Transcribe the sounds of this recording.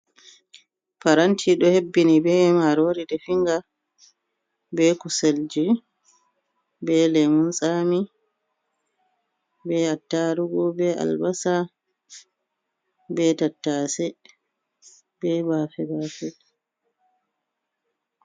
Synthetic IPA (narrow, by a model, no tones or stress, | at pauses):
paɾantʰiɗɔhebːinibɛmaɾoːɾidɛfiŋɡa | bɛkuseld͡ʒi | bɛlɛmunsami | bɛatːaːɾuɡɔbɛʔa̰lbasa | bɛtatːaːsɛ | bɛbafɛbaːfɛ